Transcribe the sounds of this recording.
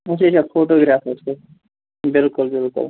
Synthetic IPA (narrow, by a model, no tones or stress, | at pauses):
ʊset͡ʃʰafʰoːʈoɡɾaːfeske | bɪlkʊlbɪlkʊ̰l